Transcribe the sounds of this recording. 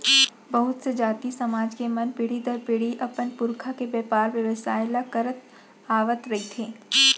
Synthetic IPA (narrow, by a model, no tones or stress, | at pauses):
bɐɦʊt̪sed͡ʒaːt̪isɐmaːd͡ʒkemɐnpɪɽ̤id̪əɾpɪɽ̤iʔɐpənpʊɾkʰakebɛːpaːɾʋjɐʋəsaːɪlakɐɾət̪ | aːʋət̪ɾɐit̪ʰeː